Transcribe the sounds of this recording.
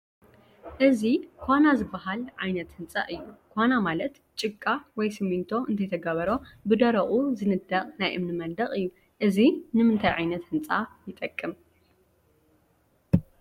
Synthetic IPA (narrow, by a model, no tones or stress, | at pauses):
ʔɨzikʰʷanazɨbːɐɦalʕajnɐt̪hɨnt͡sʼa̰ʔɨjːukʰʷanamalɐt̪ | t͡ʃʼɨkʼːawɔjsɨmint̪ʰo̞ʔɨnt̪ʰɐjt̪ʰɐɡɐβɐɾo̞bɨd̪ɐɾɐχʼuzɨnɨd̪ɐχʼnajʔɨ̰mnɨmɐnd̪ɐχʼɨjːu | ʔɨzinɨmɨnt̪ʰajʕajnɐt̪hɨnt͡sʼajɪt̪ʼɐkʼːɨm